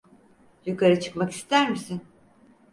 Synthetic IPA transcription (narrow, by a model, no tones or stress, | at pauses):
jykʰaɾɯt͡ʃʰɯ̥kmaki̥st̪ʰæɾmisin